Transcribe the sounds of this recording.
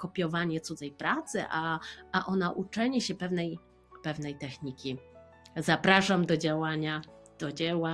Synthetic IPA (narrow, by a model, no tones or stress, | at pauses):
kɔpʲjɔvaɲɛt̪sud̪zɛjpɾat̪sɘ̰ʔaaʔɔnaʔut͡ʂɛɲɛɕɛpɛvnɛj | pɛvnɛjt̪ɛxɲikʲi | zapɾaʂamd̪ɔd͡ʑawaɲad̪̥ɔd͡ʑɛwa